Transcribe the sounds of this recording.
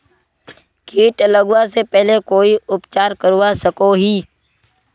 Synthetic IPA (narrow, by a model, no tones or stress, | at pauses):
kiːʈələɡʊwasepɛɦlekoːiʊpt͡ʃaːɾkəɾuwasəkoɦiː